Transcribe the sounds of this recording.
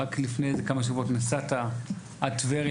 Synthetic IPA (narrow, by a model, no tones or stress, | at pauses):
aklifnejzekamaʃ̬avotnasata | atveʁ